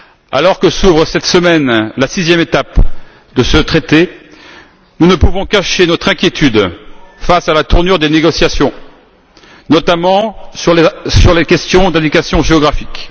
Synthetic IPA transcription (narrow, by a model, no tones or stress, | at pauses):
a̰lɔʁkəsuvʁəsɛt̪səmɛnlasizjɛmet̪ap | d̪əsət̪χet̪e | nunəpuvɔ̃kaʃenɔt̪χɛ̃kʲjet̪yd̪fasalat̪uʁnyʁd̪eneɡɔsjasjɔ̃ | nɔt̪amɑ̃ | syʁlekʲɛst̪jɔ̃d̪ɛ̃d̪ikasjɔ̃ʒeɔɡʁafik